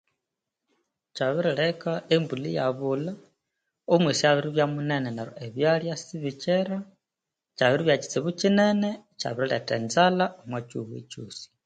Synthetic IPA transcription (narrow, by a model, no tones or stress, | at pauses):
t͡ʃaβiɾilekaembulija̰βula | umwisiaβiɾiβjamunenenaɾo̰eβjaljasiβit͡ʃeɾa | t͡ʃaβiɾiβjat͡ʃi̥t͡siβut͡ʃinenet͡ʃa̰βiɾiletḛnzalamwat͡ʃuβḛt͡ʃuːsi̥